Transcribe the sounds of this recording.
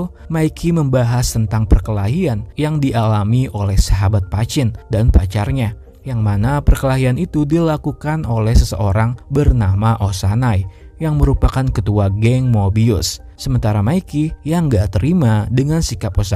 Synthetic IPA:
maikʰiməmbaɦast̪ənt̪aŋpərkəlaɦianjaŋdiʔalamiʔolɛhsaɦabat̪̚pat͡ʃɪndanpat͡ʃarɲa | jaŋmanapərkəlaɦianit̪udilakukanolɛhsəsəʔoɾaŋbərnamaʔosanaj | jaŋməɾupakankət̪uaɡɛŋmobiʊ̰sː | əmənt̪aɾamaikijaŋɡat̪əɾimadəŋansikaposa

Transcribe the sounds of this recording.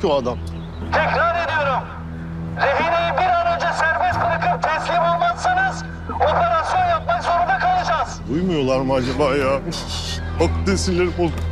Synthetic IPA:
oad̪am | t̪ʰɛkɾaɾe̞d̪ijo̞ɾum | ɾeɦinejibiɾaɾad͡ʒasæɾbɛspɯɾakʰɯp̚t̪ʰɛslʲimo̞lˠmasːanɯz | o̞nlːˠaɾasoɾjapmakso̞ɾud̪akʰalˠad͡ʒaːz̥d̪ujmujo̞lˠaɾmɯad͡ʒabaːjaː | akt̪esilʲːeɾipoz

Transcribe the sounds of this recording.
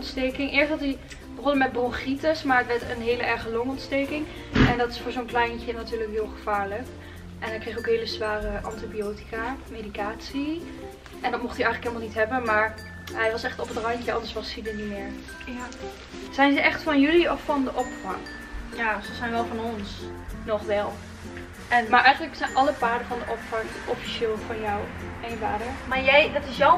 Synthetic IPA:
ntstejkɪŋʔɪːɹsɑti | bəχɔlˠdəmɛt̚bɔlˠχritəsmaːɹətʋɛɹtənɦeːləʔɛɹχəlɔŋɔntstejkɪŋ | ɛndɑtɪsfʊːɹzonklɛjncənatyːɹləkɦɪːlˠχəv̥aːɹlək | ʔɛnɦɛjkrexowkɦejləzʋaːrəʔɑntibiowti̥kaːmedikaːtsi | ʔɛndɑtmɔχtiɛjələkɦɪlˠmalˠnitɦɛbənmaːɹ | ɦɛjʋɑsɛχtɔpətrɑjkəɑndəɹsʋɑsidənimɪːɹ | z̥ɛjnzəʔɛχtfɑnjɵliɔfːɑndəʔɔpfɑ̰ŋ | jazəzɛjnʋɛlˠvɑnɔns | nɔχʋɛlˠ | ʔɛnmaːɹʔɛjχənləksɛjnʔɑlˠəpaːdəvɑndəʔɔpfɑŋʔɔfi̥ʃɪːlˠvɑnjɔwejnpaːdəmaːɹjɛjdɑtɪsjɔ

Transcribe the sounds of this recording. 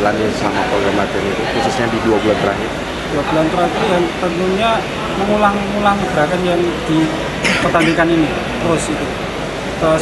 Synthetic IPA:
lanasəlamapɾoɡɾamat̪əɾit̪ukusʊsɲadiduabulant̪ɾa̰ɦɪr | d̥uabulant̪əɾaɦit̪ujaŋt̪ənt̪uɲa | məŋulaŋ | ulaŋɡ̥əɾakand͡ʒaŋd̪̥i | pət̪aŋɡikanini | t̪əɾʊsit̪u | t̪ə

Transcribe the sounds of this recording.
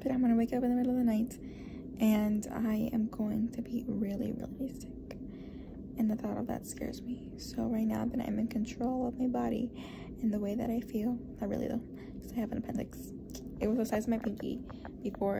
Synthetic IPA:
b̥ʌɾãɪ̃mwɑñəweɪkʌpɨ̃nðɨmɪɾl̩ˠʌvðənaɪt | ʔɨ̃na̰ɪɨ̰̃mɡoʊɪ̰̃ŋtʰɨbiɹɪlˠḭɹɪ̰lˠisɪk | ɨ̃nðɨθɔɾʌ̰vðɨ̰tskɛ̰ɹzmi | soʊɹaɪtⁿnaʊðɨɾã̰ɪ̃mɨ̃nkʰɨ̃ntʰɹ̥oʊlˠʌvmaɪbɑɾḭ | ɨ̃nðəweɪðɨ̰ɾaɪfilˠðɨt̚ɹɪ̰lˠḭdõ̰ʊ̃ | kʰʌ̥z̥aɪhæṽ̩tɨpʰɛ̃ndlɨ̰ks | ɨt̚wʌzəsaɪzʌvmaɪpʰɪ̃ŋkḭ | b̥ɨfɔɹ

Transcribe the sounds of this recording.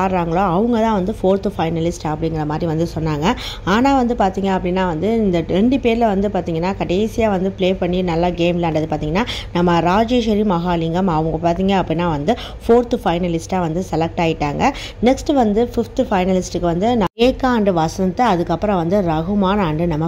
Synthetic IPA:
aːɾɾaːŋɡɐɭoːɐʋɐŋɡɐt̪ãːʋɐnd̪ɯfoːɾt̪ɯfɐɪnɐlɪsʈɐpːɐɽɪŋɡɪɾɐmaːd̪ɾiʋɐnd̪ɯsɔnːaːŋɡɐ | aːnaːʋɐnd̪ɯpaːɾt̪iːŋɡɐːɐpːɐɽinːaːʋɐnd̪ɯɪnd̪ɐɾɛɳɖɯpeːɾɪlɐʋɐnd̪ɯpaːɾt̪iːŋɡɐnːaːkɐʈeːsɪjaːʋɐnd̪ɯpleːpɐɳːinɐlːaɡeːmlɐɐɳɖɐðɯpaːɾt̪iːŋɡɐnːaːnɐmːɐɾaːd͡ʒeːʂɐɾimɐɣaːlɪŋɡɐmɐʋɐŋɡɐpaːɾt̪iːŋɡɐːpːɐɽinːaːʋɐnd̪ɯ | foːɾt̪ɯfɐɪnɐlɪsʈaːʋɐnd̪ɯsɛlɛk̚ʈaːjɪʈːaːŋɡɐ | nɛksʈʋɐnd̪ɯfɪft̪fɐɪnɐlɪsʈɯkːɯʋɐnd̪ɯnɐeːkːaːɐɳɖɯʋɐsɯnt̪ːɐɐðɯkːɐpːɯɾɐ̃ʋɐnd̪ɯɾɐɣɯmaːnɐɳɖɯnɐmːɐ

